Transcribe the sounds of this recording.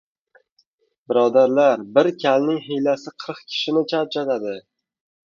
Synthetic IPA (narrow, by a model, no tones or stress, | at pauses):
bɪɾɒd̪aɾlaɾbɪɾkʲʰalnɪŋɦejlasɪqʰɨɾɨqkʲʰɪ̥ʃɪnɪt͡ʃʰat͡ʃʰat̪ad̪ɪ